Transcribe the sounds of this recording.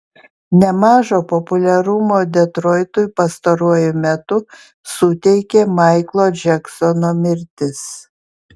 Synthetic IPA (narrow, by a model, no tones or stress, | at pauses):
nʲɛmɑːʒoːpɔpʊlʲɛɾʊmoːd̪ʲɛt̪ɾɔːɪt̪ʊjpɐst̪ɐɾuɔjʊmʲɛt̪ʊ | sʊt̪ʲɛɪkʲeːmɑɪklˠoːd͡ʒʲɛksɔnoːmʲɪɾʲt̪ʲɪs